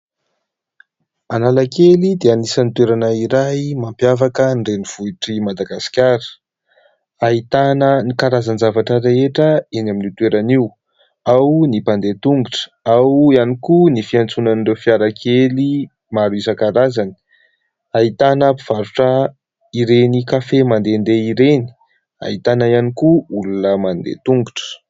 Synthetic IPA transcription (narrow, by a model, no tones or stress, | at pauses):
analakelid̪eanisanit̪weɾanaiɾajmampjavakənɖ͡ʐeniv̥uiʈ͡ʂimad̪aɡasi̥kʲaɾə̥ | ait̪anənikaɾazanzavaʈ͡ʂəɾeɦeʈ͡ʂəenaminit̪weɾaniw | awnipand̪et̪uŋɡuʈ͡ʂə̥ | awianikunifiant͡sunanirewfiaɾakʰeli | maɾuizəkaɾazani̥ | ait̪anapiv̥aɾuʈ͡ʂə | iɾenikafemand̪end̪eiɾeni̥ | a̰it̪anəianikuulunəmand̪ḛt̪uŋɡuʈ͡ʂə̥